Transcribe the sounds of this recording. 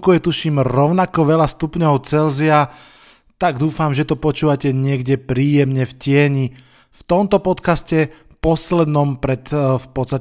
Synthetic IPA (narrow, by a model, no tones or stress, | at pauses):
kujɛt̪uʃiːmɾɔʊnakɔʋɛlast̪upɲɔʊt͡sɛlzia | t̪aɡd̪uːfamʒɛt̪ɔpɔt͡ʃuːʋacɛɲɪɛɡɟɛpɾiːjɛmɲɛfcɪɛɲi | ft̪ɔmt̪ɔpɔt̪kascɛ | pɔslɛd̪nɔmpɾɛt̪fpɔt̪st̪a